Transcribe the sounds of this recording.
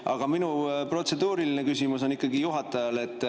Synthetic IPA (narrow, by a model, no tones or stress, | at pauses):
ʔɑɡ̥ɑminupro̞t̪se̞d̪uːɾilinekys̬ʲimus̬o̞nikːˑɑɡijuɦɑt̪ːˑɑjɑle̞t̪ːˑ